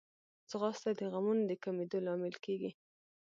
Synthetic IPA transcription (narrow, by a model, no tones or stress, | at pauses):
t͡səɣɑst̪ad̪əɣamunod̪əkamed̪olɑmɪlkeɡi